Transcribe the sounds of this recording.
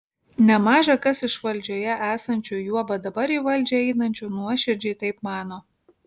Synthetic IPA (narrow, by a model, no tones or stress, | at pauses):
nʲɛmɑːʒɐkɐsɪʃʋɐlʲˑd͡ʒʲoːjɛʔæːsɐnʲt͡ʃʲuːjuɔbɐd̪ɐbɐɾiːʋɐlʲd͡ʒʲɛɛɪnɐnʲt͡ʃʲuːnuɔʃʲɪɾʲd͡ʒʲɛɪt̪ɐɪpmɑːnoː